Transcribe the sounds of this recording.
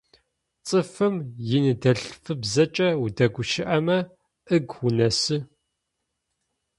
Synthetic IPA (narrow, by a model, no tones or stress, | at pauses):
t͡sʼɨfɨmjɪnɨdɐɬfɨbzɐt͡ʃʼɐwudɐɡʷʊʃɪʔɐmɐ | ʔɨɡʊnɐsɨ